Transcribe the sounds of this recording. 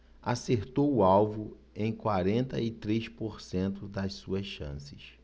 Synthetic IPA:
aseɾt̪owʊawvʊ | ẽj̃kwaɾẽnt̪ɐit̪ɾejʃpoɾsẽnt̪ʊd̪ɐssuɐsʃɐ̰̃sɪʃ

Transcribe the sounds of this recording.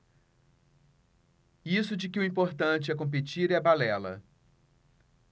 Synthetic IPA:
isʊd͡ʒɪkɪʊĩmpoɾt̪ɐ̃t͡ʃɪɛkõp̬et͡ʃiɾɛabalɛlɐ̰

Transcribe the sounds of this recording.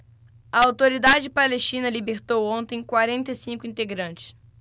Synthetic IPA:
ɐawt̪oɾid̪ad͡ʒɪpaleʃt͡ʃĩnɐlibeɾt̪owõnt̪ẽj̃kwaɾẽnt̪ɐsĩŋkʊĩnt̪eɡɾɐ̃t͡ʃɪ̥s

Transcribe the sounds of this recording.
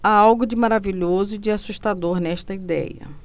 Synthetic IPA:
aawɡʊd͡ʒɪmaɾaviʎozʊd͡ʒɪasuʃt̪ad̪oɾnɛʃt̪ɐid̪ɛ̰jɐ̰

